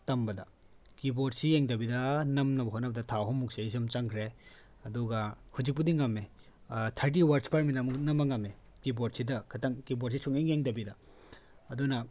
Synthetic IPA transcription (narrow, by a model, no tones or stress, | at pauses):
tɐmbɐdɐ | kiboɾ̚sijeŋdɐbidɐnɐmnɐbɐɦonɐbɐdɐtʰaɦɔmːuk̚sezɐmt͡ʃaŋkʰɾe | ɐduɡɐhud͡ʒik̚pudiŋːɐmːe | tʰɐɾt̬iwɐɾspʰaɾminɐmunɐmɐŋɐme | kiboɾ̚sidɐkʰɐtɐŋkiboɾsisʰuŋiŋeŋdɐbidɐ | ɐdunɐ